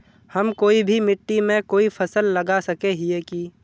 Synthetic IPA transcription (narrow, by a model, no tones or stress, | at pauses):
hɐmkoːibʱimɪʈːimẽkoːipʰəsəlːɐɡasɐkeɦieki